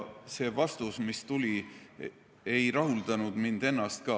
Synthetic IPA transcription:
se̞ːvɑst̪usmist̪ulʲi | e̞jɾɑɦuld̪̥ɑnud̪̥mind̪e̞nːɑst̪̚kɑ

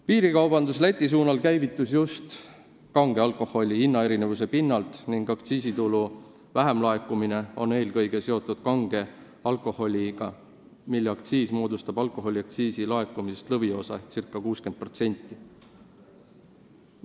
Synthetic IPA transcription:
piːɾikɑwb̥ɑnd̪uslæt̪ʲːˑis̬uːnɑlkæjvit̪ːˑusjust̪ | kɑŋɡ̥e̞ɑlkˑo̞ho̞lʲiinːɑe̞ɾine̞vuse̞pinːɑlt̪niŋɡ̥ɑkt̪siːsit̪ulu | væɦe̞mlɑe̞kːˑumine̞o̞̰ne̞ːlkɤ̞jɡ̥e̞se̞o̞t̪ːˑud̪̥kɑŋɡ̥e̞ | ɑlkˑo̞ho̞lʲiɡ̥ɑ | milːeɑkt̪siːsmo̞ːd̪ust̪ɑbɑlkˑo̞ɦo̞lʲiɑk̚t̪siːsilɑe̞kːˑumise̞st̪lɤvio̞sɑesirkːˑɑkuːske̞nd̪̥̚pro̞t̪se̞nʲt̪ːˑi

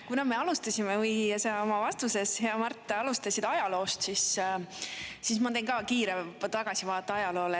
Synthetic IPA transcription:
kunɑme̞ɑlust̪ɑsʲimevɯjjɑseomɑvɑst̪use̞she̞ɑmɑrt̪ˑːeɑlust̪ɑsid̪̥ɑjɑlo̞ːst̪sis | sismɑt̪ejnkɑːkiːɾet̪ɑɡ̥ɑsʲivɑːt̪ːˑɑɑjɑlo̞ːle

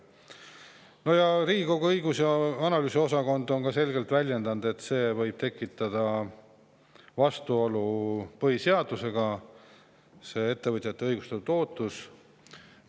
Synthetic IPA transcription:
no̞jɑɾiːɡiko̞ɡ̥uɤjɡusjɑɑnɑlyːsio̞s̬ɑko̞nd̪o̞nkɑse̞lɡe̞lt̪vælʲje̞nd̪̥ɑnd̪e̞t̪ːse̞ːvɤjb̥t̪e̞kːˑit̪ːˑɑd̪̥ɑ | vɑst̪uo̞lupɤɦise̞ɑd̪̥use̞ɡ̥ɑ | se̞ːe̞t̪ːe̞vɤt̪ʲjɑt̪ːe̞ɤjɡ̥ust̪eut̪o̞ːt̪ːˑus

